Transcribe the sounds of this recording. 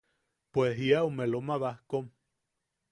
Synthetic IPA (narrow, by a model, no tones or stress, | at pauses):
pweɦiaumelomaβahkom